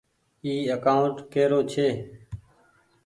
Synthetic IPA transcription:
iːəkaːʊɳʈkeːɾoːt͡ʃʰeː

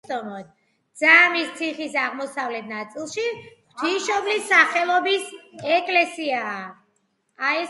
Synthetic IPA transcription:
t̪ʼɔmɔd̪̚ | d̪z̥amist̪sʰiχisaʁmɔsavlɛt̪̚ʰnat̪sʼilˠʃiχt̪ʰiʃɔblisːaχɛlˠɔbisɛkʼlɛsiaː | aɛ

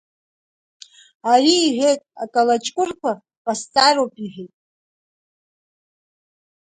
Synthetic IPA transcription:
ariːħʷejtʼa̰kʼalat͡ʃʼkʷʼʊrkʷʰa | pʼast͡sʼaɾopʼiħʷetʼ

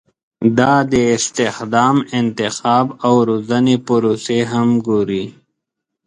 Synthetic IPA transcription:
d̪aːd̪eɪst̪exd̪aːmɪnt̪ɪxaːbɐwɾozɐnepʊɾoːseɦɐmɡoɾiː

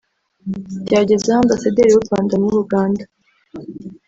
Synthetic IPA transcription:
ɟaːɟe̞zehaːmbasade̞ɾiwuɾwaːndanuɾuɡaːndḁ

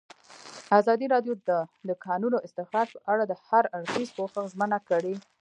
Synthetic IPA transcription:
azɑd̪iɾɑɖjod̪əd̪əkɑnunoɪst̪ɪxɾɑɾ̚pəʔaɽad̪əhaɾaɽxizpoxəxzmənakəɽe

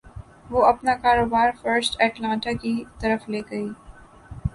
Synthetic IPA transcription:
ʋoɐpnakaːɾoːbaːɾfəɾsʈɛːʈlãːɳʈakit̪ɐɾəfleːɡɐiː

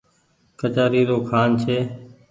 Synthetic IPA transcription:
kət͡ʃaːɾiːɾoːkʰaːnt͡ʃʰeː

